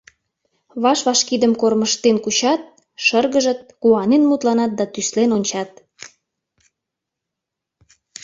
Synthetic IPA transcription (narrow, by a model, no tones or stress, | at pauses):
βɑʃβɑʃkid̪əmkorməʃt̪enkut͡ɕɑt̪̚ | ʃərɣəʒə̆t̪̚kuɑnenmut̪lɑnɑt̪̚d̪ɑt̪yslenonʲt͡ɕɑt̪